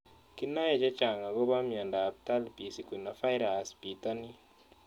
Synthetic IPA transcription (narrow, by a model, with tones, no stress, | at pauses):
ki˦na˦jɛ˦˨d͡ʒa˦t͡ʃa˨ŋa˨ɡo˦ba˦mja˨ndaː˨p̚t̪a˦lpi˨si˨kwi˨na˨fa˦jɾa˨sbi˨t̪a˦ni˦